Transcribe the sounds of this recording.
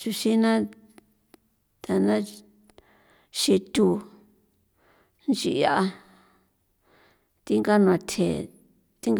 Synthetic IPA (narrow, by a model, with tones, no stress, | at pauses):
t͡ʃu˧ʃi˦nã˦ | t̪a˨nã˦ | ʃi˧t̪u˧ | nt͡ʃi˧˨˧ja˦ʔa˧ | t̪i˦ŋɡa˦nũ˧ã˧t̪ʰḛ˨ | t̪i˦ŋɡ